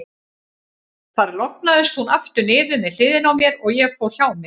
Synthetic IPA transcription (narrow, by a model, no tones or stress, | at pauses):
θaɾlɔk̚naðʏst̪hunaft̪ʏnɪːðʏmɪl̥ɪːðɪnawmjɛɾɔɣjɛɣfɔçaːwmɛ